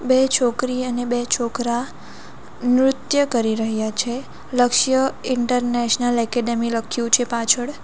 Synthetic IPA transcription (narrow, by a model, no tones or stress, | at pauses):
bet͡ʃʰokɾiənebet͡ʃʰokɾa | nɾʊt̪jəkəɾiɾəɦjat͡ʃʰe | ləkʃjəɪɳʈəɾneʃnəlɛkeɖemiləkʰjũt͡ʃʰepat͡ʃʰəɽ